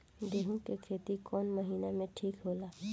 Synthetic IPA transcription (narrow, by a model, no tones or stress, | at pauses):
d̪eːɦũkekʰeːt̪ikɔːnməɦiːnamẽʈʰiːkɦoːlaː